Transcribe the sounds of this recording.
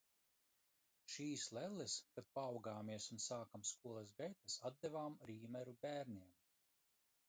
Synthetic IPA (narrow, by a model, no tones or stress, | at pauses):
ʃiːslɛlˠːɛskad̪̚paːwɡaːmiɛsunsaːkamskuɔlˠɛsɡajt̪asad̪d̪ɛvaːmɾiːmɛɾubʲæːɾnʲiɛm